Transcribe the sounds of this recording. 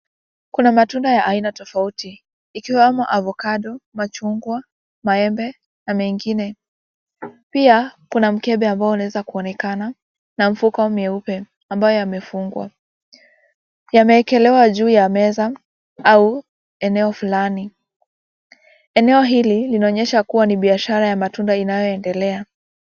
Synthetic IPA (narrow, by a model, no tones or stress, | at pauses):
kunamatundajaʔainatɔfautiː | kiwamɔʔavɔkaɗɔmat͡ʃuŋɡwa | maɛmbɛ | namɛŋɡinɛ | piakunam̩kɛɓɛambaɔunaɛzakuɔnɛkana | nam̩fukaɔmɛupɛ | ambajɔjamɛfuŋɡwa̰ | jamɛːkɛlɛwaʄuːjamɛza | au | ɛnɛɔfulani | ɛnɛɔɦililinaɔɲɛʃakuwaniɓiaʃaɾajamatundainajɔɛndɛlɛa